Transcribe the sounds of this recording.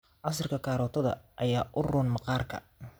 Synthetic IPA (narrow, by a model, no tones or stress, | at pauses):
ʔɑs̬ɪrkʰɐkʰaːɾɔːt̪ʰɐðɐ̰ʔɐjaːʔʊrɔːnmɑqɑːrkʰɐ̰